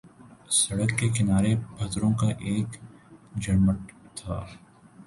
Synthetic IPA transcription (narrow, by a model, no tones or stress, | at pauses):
sɐɽəkːekɪnaːɾebʱɐt̪ɾõkaʔeːkd͡ʒɐɽməʈt̪ʰaː